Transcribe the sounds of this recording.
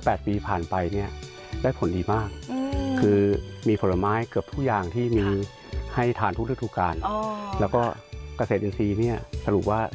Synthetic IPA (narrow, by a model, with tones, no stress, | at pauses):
pɛː˨˩t̪̚piː˧pʰaː˨˩npa˧jni˥˩ɐ | daː˥˩jpʰo˩˦ndiː˧maː˥˩k̚ʰːɯː˧miː˧pʰo˧˦la˧maː˦˥jkɯ˨˩əp̚t̪ʰu˥˩jaː˨˩ŋt̪ʰiː˥˩miː˧ | ha˥˩jt̪ʰaː˧nʰuː˥˩t̚ʰːt̪uː˧˥˩kaː˧nlɛː˦˥wkɔː˥˩ka˧seː˨˩t̪̚ʔi˧nsiː˧ni˥˩ɐsa˧ɾu˨˩p̚waː˥˩